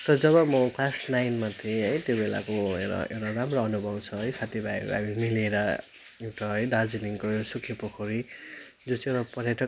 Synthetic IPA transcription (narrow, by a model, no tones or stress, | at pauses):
t̪ʌd͡zʌβʌmʌkʰlasnajnmat̪ʰiẽɦʌjt̪jobela̰koḛwɾa̰ḛwɾaramroʌnubʱʌbt͡sʰʌɦʌjsat̪ʰibajba̰bimileɾʌ | ewʈʌɦʌjd̪ad͡ziniŋkoewasukʰepokʰʌɾi | d͡zot͡sʰiewɾapʌɾjʌʈʌ